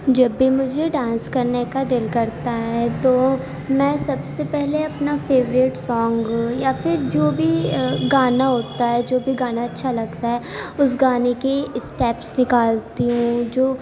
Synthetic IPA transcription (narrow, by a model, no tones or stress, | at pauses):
d͡ʒɐbːimʊd͡ʒʱeɖãːnskɐɾnekad̪ɪlkɐɾt̪aɦɛt̪oː | mɛ̃ːsɐbsepɛɦleɐpnafeːʋɾɪʈsɔːŋɡjafɪɾd͡ʒoːbʱiɡaːnaɦoːt̪aɦɛd͡ʒoːbʱiɡaːnaɐtːʃʰalɐɡt̪aɦɛʊs̬ɡaːnekeɪsʈɛːpsnɪkaːlt̪iɦũd͡ʒoː